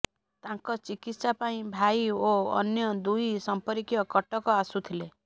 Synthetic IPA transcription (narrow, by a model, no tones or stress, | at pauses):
t̪ãŋkɔt͡ʃikit̪sapaĩbʱaioɔ̰njɔd̪ujsɔmpɔɾikjɔkɔʈɔkɔasut̪ʰile